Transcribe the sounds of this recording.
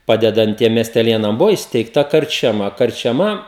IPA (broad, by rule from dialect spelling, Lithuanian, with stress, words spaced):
ˈpɑːdʲɛdɐnt ˈtʲiɛm mʲiɛsʲtʲɛˈlʲeːnɐm ˈbʊʋoː iːsʲtʲɛɪkˈtɐ kɐrʲt͡ʃʲɛˈmɐ kɐrʲt͡ʃʲɛˈmɐ